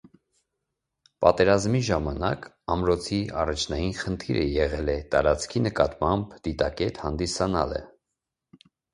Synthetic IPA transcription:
pɑt̪ɛɾɑzmiʒɑmɑnɑk | ɑmɾɔt͡sʰiɑrɑt͡ʃʰnɑjinχənt̪ʰiɾəjɛʁɛlɛt̪ɑɾɑt͡skʰinəkɑt̪mɑmbd̪̥it̪ɑkɛt̪hɑnd̪isɑnɑlə̰

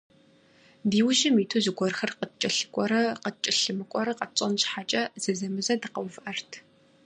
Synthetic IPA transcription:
diːwʒɪmiːtʰuzɨɡʷɔrxɐrqət͡ʃʼɪɬɨ̥kʷʼɔɾɐqət͡ʃʼɪɬɨmɨkʷʼɔɾɐqɐt͡sʼɐnʃħat͡ʃʼɐzɐzɐmɨzɐdɨqɐwvʔɐrtʰ

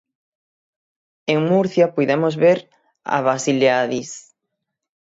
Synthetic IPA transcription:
eŋmuɾθjapujðemozβeɾ | a̰βasileaðis

